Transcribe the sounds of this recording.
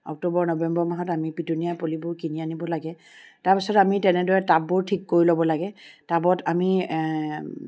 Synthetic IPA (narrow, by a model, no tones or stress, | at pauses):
ɔ̰k̚tobɔɹnɔbɛmbɔɹmaɦɔtamipitunijapolibʊɹkinianibɔlaɡɛ | taɹpisɔtamitɛnɛdɔɹɛtabʊɹtʰikːoɹilobɔlaɡɛtabɔtami